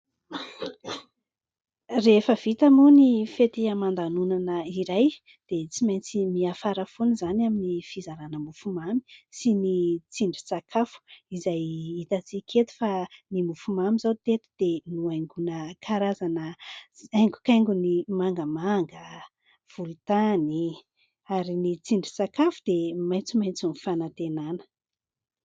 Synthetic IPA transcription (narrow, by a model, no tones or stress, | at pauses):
refəv̥it̪amunifet̪iamand̪anunanəiɾaj | d̪̥et͡simajnt͡simiafaɾəfunuzanaminifizaɾanəmufumami̥sinit͡siɳɖ͡ʐit͡sakʰafu̥izajit̪at͡sikʰet̪u̥fanimufumamizawt̪et̪u̥d̪̥enuajŋɡunəkʰaɾazanəajŋɡu̥kajŋɡunimaŋɡəmaŋɡə | v̥ulut̪ani | aɾinit͡siɳɖ͡ʐi̥t͡sakafud̪̥emajnt͡simajnt͡sunifanat̪enanə̥